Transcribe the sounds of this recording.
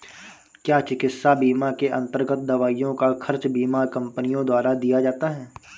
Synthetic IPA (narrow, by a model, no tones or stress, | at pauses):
kjaːt͡ʃɪkɪsabiːmakeʔɐ̰̃nt̪əɾɡət̪̚d̪ɐʋaːijõkakʰɐɾt͡ʃbiːmakɐ̃mpənijõd̪waːɾad̪ijad͡ʒaːt̪aɦɛː